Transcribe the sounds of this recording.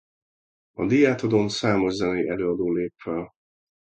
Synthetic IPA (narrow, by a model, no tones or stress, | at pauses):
ɒd̪ijaːt̪ɒd̪o̞nsaːmo̞ʒzɛnɛjɛløːɒd̪oːleːpfɛl